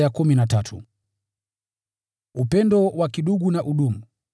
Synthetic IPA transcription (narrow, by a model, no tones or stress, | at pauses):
jakuminatatʰu | upɛndɔwakiɗuɡunaʔuɗumu